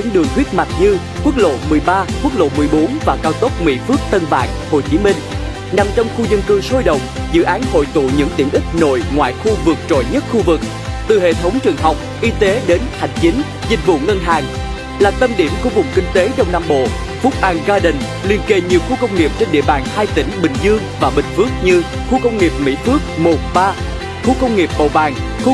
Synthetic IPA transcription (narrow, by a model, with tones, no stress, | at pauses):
ɲɨ̰˧˥ŋɗɨ˨˩əŋt̪ʰwi˦˥ət̚ma˨˩k̚ɲɨ˧ | kwu˦˥ək̚lo̰˧˨mɨ˨˩əjɓaː˧kwu˦˥ək̚lo̰˧˨mɨ˨˩əjɓo˨˦nvaː˨˩kaː˧wt̪o˦˥t̚mḭ˧˥fɨ˦˥ək̚t̪ə˧nva̰ː˧˨nho˨˩jt͡ɕi˨˦mï˧ŋ̟ | na˨˩mt͡ɕɔ˧wŋ͡mxu˧zə˧nkɨ˧so˧jɗə̰˧˨wŋ͡mzɨ̰˧˨ʔaː˨˦nho̰˧˨jt̪ṵ˧˨ɲɨ̰˧˥ŋt̪i˧˩əmʔï˦˥k̟̚no̰˧˨jŋwa̰ː˧˨jxu˧vɨ˨˩k̚t͡ɕo̰˧˨jɲə˦˥t̚xu˧vɨ˨˩k̚ | t̪ɨ˨˩ɦḛ˧˨t̪ʰə˨˦wŋ͡mt͡ɕɨ˨˩əŋɦa˨˩wk͡p̚ʔi˧t̪e˨˦ɗe˨˦nha˨˩jŋ̟t͡ɕï˨˦ŋ̟ | zï˨˩k̟̚vṵ˧˨ŋə˧nɦaː˨˩ŋ | laː˨˩t̪ə˧mɗi˧˩əmku˧vʊ̰˨˩ŋ͡mkï˧ŋ̟t̪e˨˦ɗə˧wŋ͡mnaː˧mɓo̰˧˨ | fʊ˦˥k͡p̚ʔa˧ŋzaː˧ɗï˨˩ŋ̟ | li˧ənke˧˩ɲi˨˩əwxu˧kə˧wŋ͡mŋi˨˩əp̚t͡ɕe˧nɗḭ˧˨əɓaː˨˩nhaː˧jt̪ï˧˥ŋ̟ɓï˨˩ŋ̟zɨ˧əŋvaː˨˩ɓï˨˩ŋ̟fɨ˦˥ək̚ɲɨ˧ | xu˧kə˧wŋ͡mŋi˨˩əp̚mḭ˧˥fɨ˦˥ək̚mo˨˩ɓaː˧ | xu˧kə˧wŋ͡mŋi˨˩əp̚ɓo̰˧˨vaː˨˩ŋx